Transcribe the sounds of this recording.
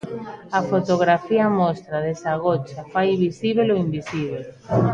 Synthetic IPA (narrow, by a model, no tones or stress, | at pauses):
afot̪oɣɾafiamɔst̪ɾaðesaɣot͡ʃafajβisiβ̞eloimbisiβ̞e